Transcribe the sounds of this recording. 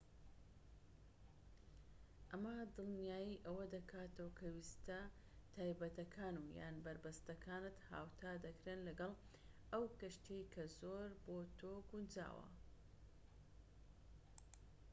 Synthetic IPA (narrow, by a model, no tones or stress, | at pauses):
ʔɐmɐd̪ɨlˠnjaːjiʔɐwɐd̪ɐkʰaːt̪ɐwkʰɐwist̪ɐ | t̪ʰaːjbɐt̪ɐkʰaːnuːja̰ːnbɐɾbɐst̪ɐkʰaːnɨt̪ha̰ːwt̪ʰaːd̪ɐkɾeːnlɐɡɐlˠ | ɐwkɐʃt̪ejkʰɐzoːɾboːt̪ʰoːɡund͡ʒa̰ːwɐ̰